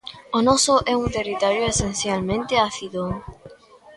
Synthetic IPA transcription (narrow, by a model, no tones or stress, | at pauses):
onosoʔeunt̪erit̪oɾjoesenθjalmẽnt̪eaθiðoŋ